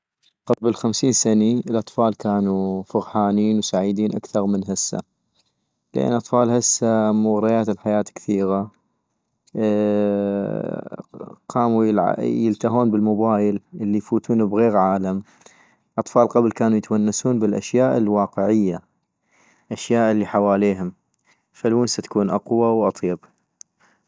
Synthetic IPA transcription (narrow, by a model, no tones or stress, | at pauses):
qablxamsiːnsaniəlʔɑt̪ˤfɑːlkaːnufʊɣħaːniːnwsaʕid̪iːnʔakθɑɾˤmɪnɦɪsːa̰ | lʔa̰nːʔɑt̪ˤfɑːlhasːamʊɣɾˤɑjaːt̪ɪlħajaːt̪kθiːɣa | qɑːmujlʕa̰jɪlt̪aɦuːnbəlmʊbaːjɪlʔəlːijfuːt̪uːnubɣeːɣʕaːlam | ʔɑt̪ˤfɑːlqablkaːnujɪt̪manːasuːnbəlʔa̰ʃjaːʔɪlwɑːqəʕɪjːa | ʔaʃjaːʔəlːiħawaːleːɦʊm | falwuːnsat̪ḁkuːnʔɑqwawʔɑt̪ˤjɑb